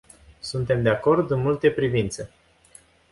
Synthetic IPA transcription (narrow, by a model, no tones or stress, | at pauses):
sunt̪e̞md̪eako̞rd̪ɨnmult̪e̞pɾivint̪sə